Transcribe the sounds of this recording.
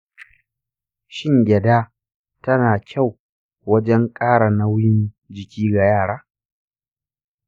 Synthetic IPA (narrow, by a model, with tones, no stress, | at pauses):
ʃɪ˦˨ŋɡʲɛ˨daː˦ | tɐ˦naː˨kʲʰa˦˨w | wɐ˦d͡ʒɛ˦ŋkʼaː˦ɽa˨na˦wjɪ˦n | d͡ʒɪ˨kʲiː˦ɡa˨jaː˦˨ɽaː˦